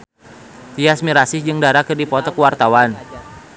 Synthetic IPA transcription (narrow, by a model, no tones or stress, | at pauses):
t̪iasmiɾasɪhd͡ʒɨŋdaɾakɨrdipɔt̪ɔkuwart̪awan